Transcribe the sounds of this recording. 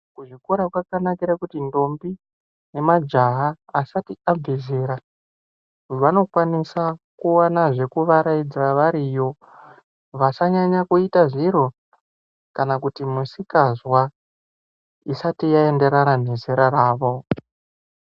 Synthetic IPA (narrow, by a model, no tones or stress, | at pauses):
kuʐiko̞ɾakwakanakiɾakutindo̞mbi | ne̞mad͡ʒaɦaːsatiab͡vezeɾa | ʋano̞kwanisakuanaʐe̞kuʋaɾaid͡zaʋaɾijo̞ | ʋasaɲaɲakuitaʐiɾo̞ | kanakutimusikazwa | isatijae̞nde̞ɾanan̤e̞zeɾaɾaːʋo̞